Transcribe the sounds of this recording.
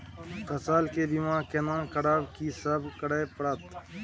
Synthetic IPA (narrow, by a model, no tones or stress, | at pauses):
kɐsaːlkebimãːkenãːkɐɽaːbkiːsɐbkɐɽaːepɐɽaːt̪